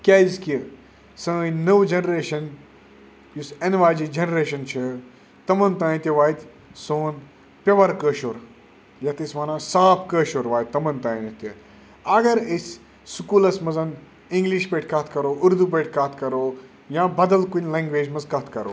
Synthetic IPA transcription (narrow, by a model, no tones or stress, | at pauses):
kʲaːizki | sɐ̃ːnəʋd͡ʒɐnɾeːʃɐn | jusenʋaːd͡ʒid͡ʒɐnɾeːʃɐnt͡ʃʰi | t̪ɐmɐnt̪ãːjt̪ʲiʋaːit̪ | soːn | pʲɐʋɐɾkəːʃoɾ | jɐt̪ismaːnãːsaːpʰkəːʃoːɾʋaːit̪̚t̪ːɐmɐnt̪aːinɐt̪i | ɐɡɐɾis | sukuːlɐsmɐzɐn | iŋɡliʃpeʈʰkɐt̪ʰkɐɾoːuɾd̪up̬eʈʰkɐt̪ʰkɐɾoː | jãːbɐd̪ɐlkunʲlẽːŋɡʋeːd͡ʒmɐzkɐt̪ʰkɐɾo̰ː